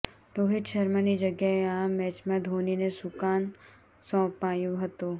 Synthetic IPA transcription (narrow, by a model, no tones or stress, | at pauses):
ɾoːɦɪʈʃɐɾmənid͡ʒɐɡjaeaːmːɛːt͡ʃmãd̪ʱoːninesʊkaːn | sɔ̃ːpaːjuɦɐt̪oː